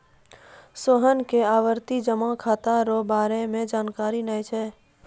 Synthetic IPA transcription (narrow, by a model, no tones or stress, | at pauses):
soɦənkeaːʋəɾt̪id͡ʒəmakʰaːt̪aɾobaːɾemẽd͡ʒaːnkaːɾinajt͡ʃʰɛː